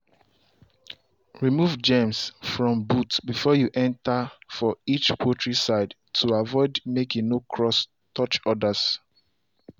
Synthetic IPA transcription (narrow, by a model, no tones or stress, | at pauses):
ɹimuvd͡ʒɛ̃msfɹɔ̃mbutbifɔjuʔɛ̃ntafɔit͡ʃpʰwɔtʰɹisaɪd | tʰuavɔɪdmekĩnokʰɹɔs | tʰɔt͡ʃɔdas